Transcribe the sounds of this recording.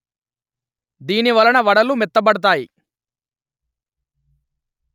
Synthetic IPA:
d̪iːniʋɐlɐnɐʋɐɽɐlumɛt̪ːɐbɐɽɐt̪̬aːji

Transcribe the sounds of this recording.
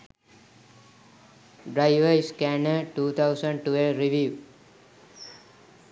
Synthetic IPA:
ɖɾaɪʋəɾskɛnəʈuːt̪ʰaʊsə̃ɳɖʈuelɾiʋiː

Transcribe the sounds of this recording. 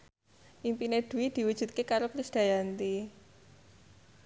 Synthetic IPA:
ʔimpineɖ̪̥ṳwid̪̥i̤wud̥ʒ̥ṳt̪̚kekaɾokɾisd̪̥a̤jant̪i

